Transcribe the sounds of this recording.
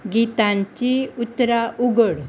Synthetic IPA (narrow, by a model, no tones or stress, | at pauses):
ɡit̪ãɲt͡ɕiut̪ːɾaʔuɡəɽ